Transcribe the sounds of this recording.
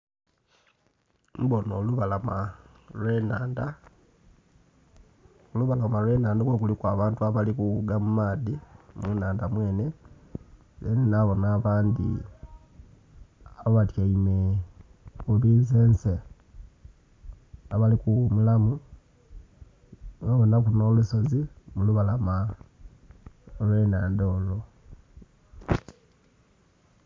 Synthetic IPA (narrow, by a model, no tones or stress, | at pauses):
mbonoːluβalama | lwenaːnda | oluβalamalwe̞ːnaːndakwokulikwaβaːntuaβalikuɣuɡamumaːðimunaːndamwe̞ːne̞ | zenenaβo̞naːβaːnd̪ḭ | aβatjaime | uβiːnzeːnse | aβalikuwumulamu | βaβonakuno̞ːluso̞zimuluβalama | olwe̞ːnaːndo̞ːlo̞